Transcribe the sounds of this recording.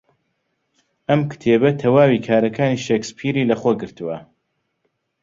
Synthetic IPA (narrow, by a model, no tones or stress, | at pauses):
ɐmkɨ̥t̪ʰebɐt̪ʰɐwaːwikʰaːɾɐkʰaːniːʃeːkspʰiːɾiːlɐxoɡɨɾt̪ɨwɐ